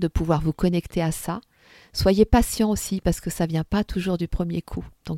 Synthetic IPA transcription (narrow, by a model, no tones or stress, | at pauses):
d̪əpuvwaʁvukɔnɛkt̪ʰeasa | swajepasjɑ̃osipaʁsə̥kəsavjɛ̃pat̪ʰuʒuʁd̪ypχəmjekʰud̪̥ɔ̃